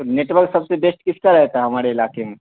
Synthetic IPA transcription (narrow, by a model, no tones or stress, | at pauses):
oneːʈʋəɾksɐbsebesʈkɪskaɾɐɦet̪aɦɐmaːɾeɪlaːkemẽ